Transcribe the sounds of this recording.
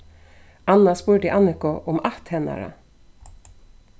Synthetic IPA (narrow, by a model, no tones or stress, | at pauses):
ɑnɑspuːɖiːʔɑnɪkʊʔʊmɑt̪hɛnɑ̰ɾə̰